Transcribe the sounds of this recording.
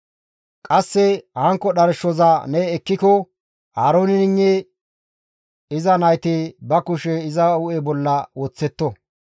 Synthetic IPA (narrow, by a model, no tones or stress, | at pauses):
kʼɐsːɛhɐŋkːɔɗɐɾʃɔzɐnɛːkːɪkɔ | haːɾoːnɪnɪŋːe | ɪzɐnɐjt̪ɪbɐkʊʃɛɪzɐʊʔebɔlːɐwoːt͡sːɛt̪ːɔ